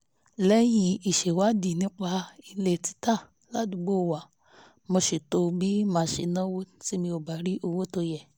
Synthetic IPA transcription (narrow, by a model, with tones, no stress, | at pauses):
lɛ˦jĩ˧˨i˨ʃe˨wa˨˦di˨nĩ˧k͡pa˧˦i˧le˨ti̥˧˦ta˦˨ | la˨˦du˨ɡ͡bo˦˨wa˨ | mo˧ʃe˨to˧bi˦mã˨˧˨ʃe˨nɔ̃˦wo˦ti˦mĩ˧o˨ba˨ɾi˦ʔo˧wo˦to˧jɛ˨